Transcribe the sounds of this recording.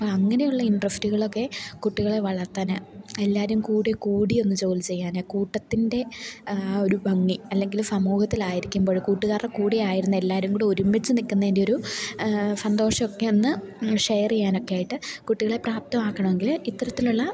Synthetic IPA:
ɐpːoɐŋːɐne̞juɭːɐiɳɖrɐstiɣɐɭo̞kːe̞kuʈːiɣɐɭe̞ʋɐɭɐrt̪ːanɨelːaːɾumkuːɽekuːɽio̞nːɨt͡ɕo̞ːlt͡ɕe̞jːaːnokuːʈːɐt̪ːinde̞ | o̞ɾubʱɐŋːiɐlːe̞ŋɡilumsɐmuːhɐt̪ːilaːjiɾikʲːumbo̞ːɻkuːʈːɨkaːrːɐkuːɽijaːjiɾunːɐe̞lːaːɾumkuːɽeoɾumːit͡ɕːɨnikʲːunːɐðendeo̞ɾu | sɐnd̪o̞ːʂɐokːe̞onːɨ | ʂejɐrt͡ɕejːaːno̞kːeaːjiʈːɨkuʈːiɣɐɭe̞praːp̚t̪ɐmaːkːɐɳɐme̞ŋɡilit̪ːɐɾɐt̪ːiluɭːɐ

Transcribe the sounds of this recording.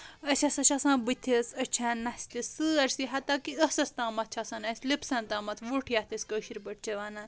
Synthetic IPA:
ɐsʰʲɐsɐt͡ʃʰasãːnbɨt̪ʲʰisɐt͡ʃʰaːnːɐst̪isɨɐɾsiɦɐt̪aːkiəsɐst̪ãːmɐt̪̚ʰt͡ʃʰasaːnɐsʲlipsɐnt̪ãːmɐt̪ʰʋuʈʰjat̪ʰisʲkəʃiɾbɐʈ̚ʰt͡ʃʰɐʋaːnaːn

